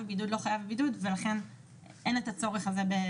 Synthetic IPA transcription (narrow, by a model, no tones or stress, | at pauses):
ebidud̪lo̞χajavebidud̪velaχe̞n | ʔenet̪at͡so̞ʁeχazebe